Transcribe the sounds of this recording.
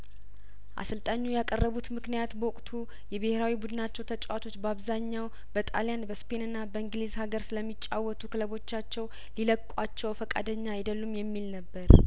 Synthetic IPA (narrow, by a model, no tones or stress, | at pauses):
ʔa̰sɨlt̪ʼaɲːujakʼərːəβut̪mɨknijat̪bəwʊkʼt̪ʰu | jɛbəheɾawibud̪ɨnat͡ʃːɛwt̪ʰət͡ʃʼwat̪ʰo̞t͡ʃːbəaβzaɲːaw | bət̪ʼalijanbəspʰe̞nɨnːabəɨŋɡlizhaɡəɾsɨləmːit͡ʃʼːawːɔt̪ʰukʰɨləβo̞t͡ʃːat͡ʃːɛw | liləkʼːat͡ʃːɛwfəkʼa̰d̪əɲːaɪd̪əlːumjɛmːilnəbːəɾ